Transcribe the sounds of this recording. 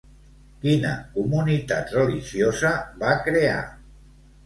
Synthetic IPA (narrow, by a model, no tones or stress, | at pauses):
kinə̰kumunit̪a̰t̪rəliʒjozəβakɾea̰